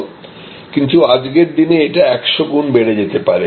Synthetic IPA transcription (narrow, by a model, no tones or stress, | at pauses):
kint̪uad͡ʑɡeɾd̪ineeʈaɛkʃoɡunbeɽed͡ʑet̪epaɾe